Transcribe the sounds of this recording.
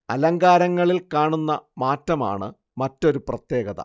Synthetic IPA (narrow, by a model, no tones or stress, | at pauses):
ɐlɐŋɡaːɾɐŋːɐɭilkaːɳunːɐmaːtːɐma̰ːɳɨ̰ | mɐtːo̞ɾuprɐt̪je̞ːɡɐðɐ̰